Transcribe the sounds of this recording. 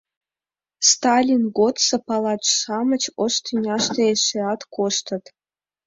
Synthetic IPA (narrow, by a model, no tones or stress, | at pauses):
st̪ɑlʲinɡot̪sɤ̆pɑlˠɑt͡ɕʂɑmə̆t͡ɕoʃt̪ʰynʲɑʂt̪ĕeʂeɑt̪koʃt̪ɤ̆t̪